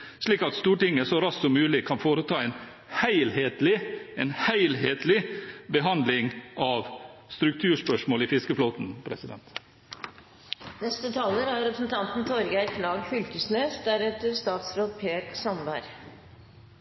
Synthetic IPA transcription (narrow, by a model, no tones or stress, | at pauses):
ʂɭiːkɑt̪st̪uːʈɪŋːəsɔɾɑssɔmʉːlɪkʰɑnfoːɾət̪ʰɑːɛɪn | hæɪlheːt̪lɪeːnhæɪlɦeːt̪lɪbəɦɑnd̪lɪŋʔɑʋst̪ɾʉk̚t̪ʰʉːʂpœʂmoːliːfɪskəfloːt̪n̩pʰɾɛ̰sɪd̪ɛ̰nt̪ | nɛst̪ət̪ʰɑːləɾæɾɾɛpɾəsn̩t̪ʰɑnt̪n̩t̪ʰɔɾɡækʰlɑːɡfʏlkəsneːsd̪æɾɛt̪əɾst̪ɑːt̪sɾoːd̪pʰeːksɔmbæɾ